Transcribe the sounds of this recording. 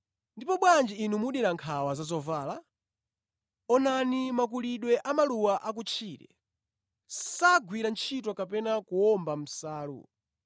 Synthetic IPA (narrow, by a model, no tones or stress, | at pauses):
ndipɔɓwand͡ʒiinumuɗiɾaŋkʰawazazɔvaːla | ɔnanimak̬uliɗwɛʔamaluwaʔakut͡ʃʰiːɾɛ̰ | saɡwiɾant͡ʃʰit̬wɔkapɛnakuɔmbam̩saːlṵ